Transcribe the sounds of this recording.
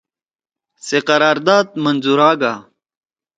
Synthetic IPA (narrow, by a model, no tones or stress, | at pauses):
seqɐɾaːɾd̪aːd̪̚mɐnzuɾaːɡaː